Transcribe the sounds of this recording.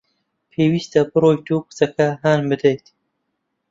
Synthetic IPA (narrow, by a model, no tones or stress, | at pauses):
pʰeːwiːst̪ɐbɨɾoːjt̪uːkɨ̥sɐkɐɦaːnbɨd̪ejt̪